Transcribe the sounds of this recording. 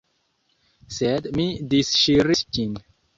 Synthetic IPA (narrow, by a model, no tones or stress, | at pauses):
sɛd̪mid̪isʃiɾist͡ʃĩn